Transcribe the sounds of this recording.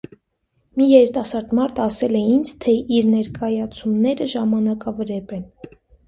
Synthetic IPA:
mijɛɾit̪ɑsɑɾd̪mɑɾt̪ʰɑsɛlɛind͡zt̪ʰɛʔiɾnɛɾkɑjɑt͡sʰumnɛɾəʒɑmɑnɑkɑvɾɛpɛn

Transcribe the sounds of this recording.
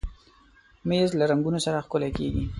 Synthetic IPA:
mezlaɾaŋɡunosaɾaxkʊlakḛɡi

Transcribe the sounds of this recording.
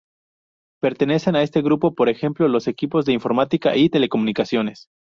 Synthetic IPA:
pe̞ɾt̪e̞ne̞se̞nae̞st̪e̞ɣɾupo̞po̞ɾe̞xe̞mplo̞lo̞se̞kipo̞zðe̞iɱfo̞ɾmat̪ika̰ʔit̪e̞le̞ko̞mũnikasjo̞ne̞s

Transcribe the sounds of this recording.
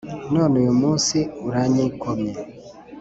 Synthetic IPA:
nonujumuːnsiuɾaɲiikomɲe

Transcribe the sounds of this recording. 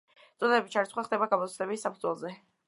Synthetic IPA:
t̪sʼɔd̪ɛbit͡ʃʰaɾitsχwaχd̪ɛbaɡamɔt̪sʰd̪ɛbissːapʰud̪zwɛlˠzɛ

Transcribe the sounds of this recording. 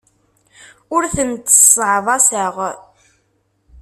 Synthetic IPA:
ʊɾθənt̪ə̥sˤʕðˤɑsəʁ

